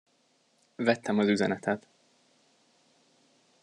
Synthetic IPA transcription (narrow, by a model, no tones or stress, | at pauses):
vɛt̪ːɛmɒzyzɛnɛt̪ʰɛt̪